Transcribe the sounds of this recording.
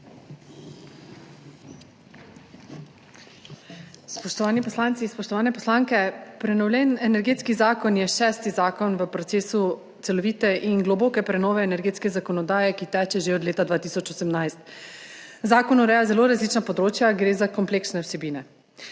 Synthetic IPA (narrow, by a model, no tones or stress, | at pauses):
spɔʃt̪ɔʋaːnipɔslaːnt̪sispɔʃt̪ɔʋaːnɛpɔslaːŋkɛpɾɛnɔwlʲjɛnɛnɛɾɡeːt̪skizaːkɔnjɛʃɛːst̪izaːkɔnʋəpɾɔt̪seːsu | t̪sɛlɔʋiːt̪ɛʔinɡlɔboːkɛpɾɛnɔːʋɛːnɛɾɡet̪skɛzakɔnɔd̪aːjɛkit̪ɛːt͡ʃɛʒeɔd̪leːt̪ad̪vʋaːt̪isɔt͡ʃosɛmnajst̪ | zaːkɔnuɾɛːjazɛloɾazlit͡ʃnapɔd̪ɾoːt͡ʃjaɡɾeːzakɔmpleːksnɛwsɛbiːnɛ